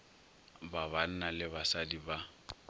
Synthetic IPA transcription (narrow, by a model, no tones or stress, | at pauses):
baβan̩nalɪbasadiba